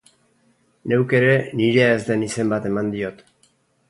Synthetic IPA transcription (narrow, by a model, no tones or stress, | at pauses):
newke̞ɾe̞niɾe̞aezd̪e̞nise̞mbat̪e̞mand̪io̞t̪